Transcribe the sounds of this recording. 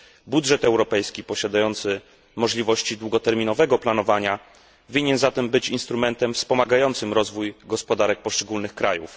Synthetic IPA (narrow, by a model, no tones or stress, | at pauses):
budʐɛt̪ɛwɾɔpɛjskʲipɔɕad̪ajɔnt̪sɘ | mɔʐlʲivɔɕt͡ɕid̪wuɡɔt̪ɛɾmʲinɔvɛɡɔplanɔvaɲa | vʲiɲɛnzat̪ɛmbɘt͡ɕinst̪ɾumɛnt̪ɛmfspɔmaɡajɔnt̪sɘmɾɔzvujɡɔspɔd̪aɾɛk̚pɔʂt͡ʂɛɡulnɘxkɾajṵf